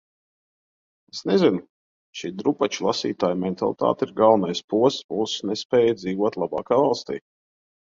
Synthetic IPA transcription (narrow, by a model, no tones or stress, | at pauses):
esnezinʊ | ʃiːd̪ɾupat͡ʃulˠasḭːt̪aːjmɛnt̪a̰lˠit̪a̰ːt̪iɾɡalˠnajspuɔsbuːsnɛspɛːjad̪ziːʋuɔt̪lˠaba̰ːkaːvalˠst̪ḭː